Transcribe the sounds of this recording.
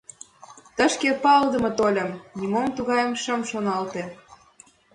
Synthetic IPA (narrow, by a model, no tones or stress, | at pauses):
t̪ə̆ʃkepɑld̪ə̆mɤ̆t̪olʲɤ̆mnimomt̪uɣɑjə̆mʃəmʃonɑlt̪e